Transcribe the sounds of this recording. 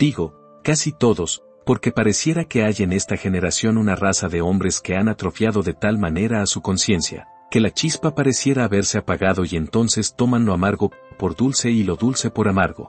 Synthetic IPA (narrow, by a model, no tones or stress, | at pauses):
d̪̥iɣo̞ | kasit̪o̞ðo̞s | po̞ɾke̞paɾe̞sje̞ɾake̞aʝaene̞st̪axe̞ne̞ɾasjo̞nunarasaðe̞o̞mbɾe̞ske̞anat̪ɾo̞fjaðo̞ðe̞t̪almane̞ɾaːsuko̞nsje̞nsja̰ | ke̞lat͡ʃispapaɾe̞sje̞ɾaːβe̞ɾse̞apaɣaðo̞ie̞nt̪o̞nse̞st̪o̞manlo̞amaɾɣo̞ | po̞ɾðulse̞ilo̞ðulse̞po̞ɾamaɾɣo̞̰